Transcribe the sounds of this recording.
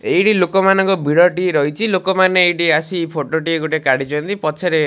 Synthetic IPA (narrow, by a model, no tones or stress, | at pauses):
ejʈilokɔmanɔŋkɔbʱiɽɔʈiɾɔɦit͡ʃʰilokɔmaneːjʈiasipʰoʈoʈieɡoʈekaɽit͡ʃʰɔnt̪ipɔt͡ʃʰeɾe